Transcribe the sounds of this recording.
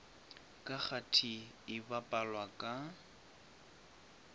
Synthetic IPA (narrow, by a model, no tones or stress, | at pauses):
kʼak͡xatʰi | ɪbapʼalwakʼa